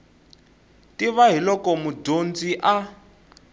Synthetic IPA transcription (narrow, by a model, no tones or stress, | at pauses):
tiβaɦilɔkɔmudond͡ziʔa